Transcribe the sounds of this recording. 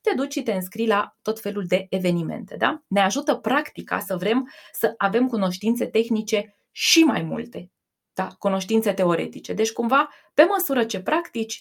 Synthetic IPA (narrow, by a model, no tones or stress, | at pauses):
t̪e̞d̪ut͡ʃʃit̪e̞ɨnskɾilat̪o̞t̪fe̞luld̪e̞ʔeve̞nime̞̰nt̪e̞d̪a̰ne̞aʒut̪əpɾakt̪ika̰səvɾe̞msəʔave̞mkuno̞ʃt̪int̪se̞t̪e̞xnit͡ʃe̞ | ʃima̰jmṵlt̪e̞ | d̪̥akuno̞ʃt̪int̪se̞t̪e̞o̞ɾe̞̰t̪it͡ʃe̞d̪e̞t͡ʃʲkumva | pe̞məsuɾət͡ʃe̞pɾakt̪it͡ʃʲ